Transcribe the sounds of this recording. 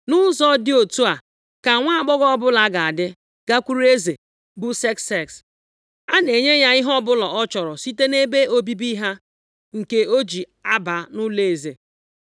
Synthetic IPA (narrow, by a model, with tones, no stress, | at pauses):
nʊ˦zɔ˦dɪ˦o˨tu˦a˨ | ka˨ŋʷa˦a˨k͡pɔ˦ɣɔ˦ɔ˦bʊ˦la˨˦ɡa˨a˨dɪ˦ | ɡ̥a˦kʷu˦ɾe˦ze˨ | bʊ˦sɛ˦kse˦˨ks | a˦ne˨ɲe˦ɲa˦ɪ˦ɦɔ˦bʊ˦lɔ˨ʔɔ˦t͡ʃɔ˨ɾɔ˨si˦te˦ne˦be˦o˦bi˦bi˦ɦa˦ | ŋ̩˨ke˦o˦d͡ʒi˨ | a˦ba˨nʊ˦le˨e˨zḛ˨